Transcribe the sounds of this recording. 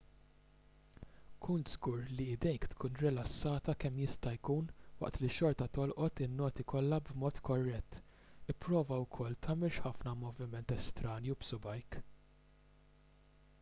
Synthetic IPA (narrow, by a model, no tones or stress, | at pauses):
kʰunt̪zɡuːɾlid̪ɛjkt̪kʰuːnɾɪlɐsːɐːt̪ɐkɛmːjɪst̪ɐjkuːnwɐ̰ʔt̪liʃɔɾt̪ɐt̪ɔlʔɔt̪ɪnːɔːt̪ikʰɔlːɐbmɔːt̪kɔrːɛt̪ː | ɪpːɾɔːvɐwkʰɔlt̪ʰɐːmɛlʃħɐfnɐmɔvɪmɛnt̪ɛst̪ɾɐːnjiubsʊbɐjk